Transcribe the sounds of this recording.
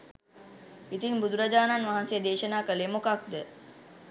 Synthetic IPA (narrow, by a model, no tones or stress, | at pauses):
it̪iŋbud̪uɾad͡ʒaːnanʋaɦansijəd̪eːʃənaːkəleːmokak̚d̪ə